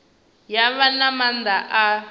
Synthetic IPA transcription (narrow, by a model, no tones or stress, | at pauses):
jaβanamand̪aʔa